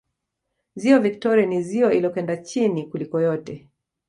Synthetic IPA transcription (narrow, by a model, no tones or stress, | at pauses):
ziɔviktɔɾianiziɔiliɔkwɛndat͡ʃinikulikɔjɔtɛ